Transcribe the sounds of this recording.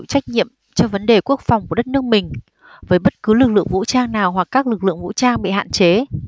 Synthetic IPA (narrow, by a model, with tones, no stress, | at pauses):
wt͡ɕa˦˥jk̟̚ɲḭ˧˨əm | t͡ɕɔ˧və˨˦nɗe˨˩ku˦˥ək̚fa˨˩wŋ͡mku˧˩˦t̚nɨ˦˥ək̚mï˨˩ŋ̟ | vəː˨˦jɓə˦˥t̚kɨ˨˦lɨ˨˩k̚lɨ̰˧əŋvṵ˧˥t͡ɕaː˧ŋnaː˨˩wɦwa˨˩k̚kːaː˦˥k̚lɨ˨˩k̚lɨ̰˧˨əŋvṵ˧˥t͡ɕaː˧ŋɓḭ˧˨ha̰ː˧˨nt͡ɕe˨˦